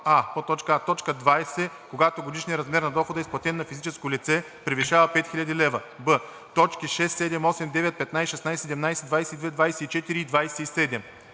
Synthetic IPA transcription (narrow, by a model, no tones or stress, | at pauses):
apot̪ːɔt͡ʃkəat̪ɔt͡ʃkəd̪vajsɛ | koɡat̪oɡod̪iʃnijəɾɐzmɛɾnɐd̪ɔxod̪ɐisplˠɐt̪ɛnːɐfizit͡ʃɛskolit̪sɛ | pɾiviʃavəpɛt̪xʲilʲʎɐd̪ilɛvə | bɤ | t̪ɔt͡ʃkiʃɛsːɛd̪ɛmɔsɛmd̪ɛvɛt̪̚pɛt̪najsʃɛsnajsɛsɛd̪ɛmnajsɛd̪vajsɛid̪vɛd̪vajsɛit͡ʃɛt̪iɾiːd̪vajsɛisɛd̪ɛm